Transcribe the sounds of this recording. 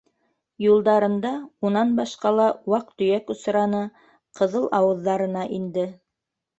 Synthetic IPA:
julˠd̪ɑɾɤ̆nd̪ɑunɑnbɑʃqɑlˠɑwɑq̚t̪ɵ̆jækŏsɾɑnɤ | qɤ̆ðɤlˠʔɑwɤ̆ðːɑɾɤ̆nɑʔind̪ɘ

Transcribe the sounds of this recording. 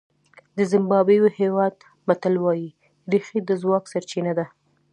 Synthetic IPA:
d̪əzɪmbɑbejohewɑd̪ | mat̪alwɑji | ɾixid̪əzwɑksaɾt͡ʃinad̪a

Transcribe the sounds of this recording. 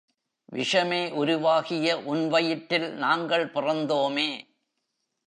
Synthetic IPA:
ʋɪ̰ʂɐmeːʔʊɾʊʋaːɣɪjɐʔʊnʋɐjɪʈːɪlnaːŋɡɐɭpɪrɐnd̪oːmeː

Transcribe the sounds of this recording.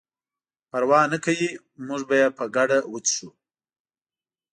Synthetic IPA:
paɾwɑːnakawi | muʐbajepəɡaɖawət͡sʂu

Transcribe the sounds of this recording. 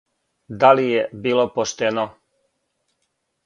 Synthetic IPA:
d̪alijebiːlopoʃt̪eno

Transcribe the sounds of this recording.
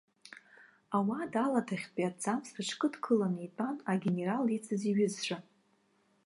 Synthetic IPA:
awadalatʰaχʲpʼiad͡zamsrɨʈ͡ʂʰkʼɨdkʰɨlanipʼanaɡʲene̞ɾalit͡sʰʼɨziɥʏzʂʷa

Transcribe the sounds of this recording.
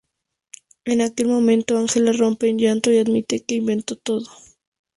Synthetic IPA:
e̞nake̞lmõ̞mẽ̞nt̪oaŋxe̞laro̞mpe̞ːnʝant̪o̞iaðmit̪eke̞imbe̞nt̪o̞t̪oðo

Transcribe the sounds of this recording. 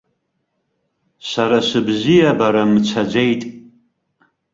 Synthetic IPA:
saɾasɨbzijabaɾamt͡sʷʰad͡ʒʷejtʼ

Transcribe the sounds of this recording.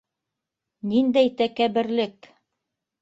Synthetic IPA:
nind̪æjt̪ækæβɘ̆ɾlɘk

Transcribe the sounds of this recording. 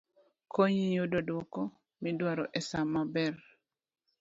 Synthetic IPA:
kʰoɲiɲudodwɔkɔ | midwaɾɔʔɛsamabɛr

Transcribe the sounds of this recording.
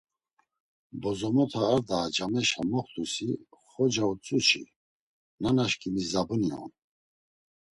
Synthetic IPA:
bɔzɔmɔt̪ʰaːɾd̪aːd͡ʒamɛʃamɔχt̪ʼusiχɔd͡ʒaut͡sʼut͡ʃʰḭ | nanaʃkʼimizabuniɔ̰n

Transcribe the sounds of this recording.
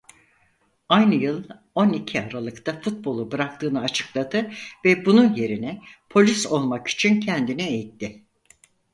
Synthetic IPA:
ajnɯjɯlˠ | o̞nicʰiaɾalˠɯkt̪ʰafut̪̚bo̞lˠubɯɾak̚t̪ʰɯːnɯat͡ʃʰɯ̥klˠad̪ɯvɛbununje̞ɾinɛpʰo̞lʲiso̞lˠmaki̥t͡ʃʰincʰɛnd̪inɛejit̪ʰːɪ

